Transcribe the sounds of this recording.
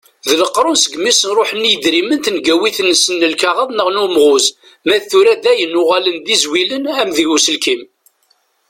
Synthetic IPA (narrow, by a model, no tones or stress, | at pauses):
ðləqːɾˤʊnsəɡmisənɾˤoħənːijəd̪ɾimənt̪nɡæwiθənːsənːəlkaʁəðˤnəʁnumʁʊz | mæθuɾæðæjənːʊʁælənðizwilənæmðiʝusəlkim